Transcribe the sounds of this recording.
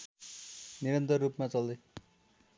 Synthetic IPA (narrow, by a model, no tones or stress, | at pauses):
niɾʌnt̪ʌrːupmat͡sʌld̪e